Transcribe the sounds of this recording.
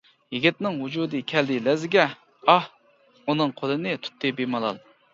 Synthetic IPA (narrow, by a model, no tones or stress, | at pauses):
jiɡʲit̪nɪŋɦud͡ʒud̪ɨkʲʰɛld̪ɪlɛzɪɡʲɛ | ɑh | unɨŋqʰolˠɨnɨt̪ʰy̥t̪ʰːɨbemɑlˠɑ̰lˠ